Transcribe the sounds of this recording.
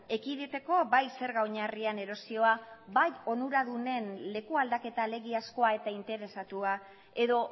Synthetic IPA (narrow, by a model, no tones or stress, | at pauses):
e̞kiðet̪e̞ko̞bajse̞ɾɣawɲariane̞ɾo̞sio̞abajo̞nuɾaðune̞nle̞kuald̪ake̞t̪ale̞ɣiasko̞ae̞t̪aint̪e̞ɾe̞sat̪ua | e̞ðo̞